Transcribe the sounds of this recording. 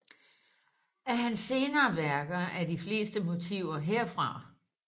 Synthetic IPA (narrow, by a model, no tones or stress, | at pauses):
æɐɦænsːe̝ːnɐːʋæɐɡ̥ɐʔæɐdifle̝̰ːsd̥əmo̝t͡sʰḭʊɐɦeɐ̰fʁɑ̈